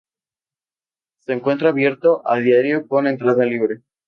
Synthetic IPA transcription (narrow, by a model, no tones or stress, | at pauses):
se̞ːŋkwe̞nt̪ɾaːβje̞ɾt̪o̞ʔa̰ld̪jaɾjokonent̪ɾaðeliβɾe